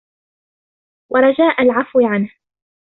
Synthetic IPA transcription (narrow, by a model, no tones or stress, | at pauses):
wʔɑɾˤɑd͡ʒaːʔalʕafwɪʕanh